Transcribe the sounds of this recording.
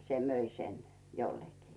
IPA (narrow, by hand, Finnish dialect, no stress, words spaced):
se møi sen jolːekiː